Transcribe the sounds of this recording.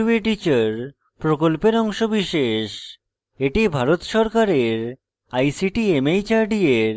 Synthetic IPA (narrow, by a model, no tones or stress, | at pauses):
beʈit͡ɕaɾ | pɾokolpeɾɔŋʃobiʃeʃ | eʈibʱaɾot̪ʃɔɾkaɾeɾ | ajsiʈiemejt͡ɕaɾɖieɾ